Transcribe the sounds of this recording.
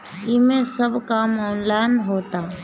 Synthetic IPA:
ɪmẽsəbʱkaːmɔːnlaːɪnɦoːt̪aː

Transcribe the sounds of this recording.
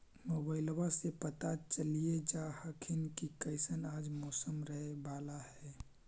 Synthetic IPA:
mobaɪlwasepət̪at͡ʃəlied͡ʒahəkʰinkikəɪsənad͡ʒmɔːsəmɾəɦebaːlahɛ

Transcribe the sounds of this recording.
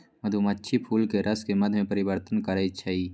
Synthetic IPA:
mɐd̪ʱumətːʃʰipʰuːlkeɾɐskemɐd̪ʱmẽpəɾɪwəɾt̪ənkəɾəit͡ʃʰɐi

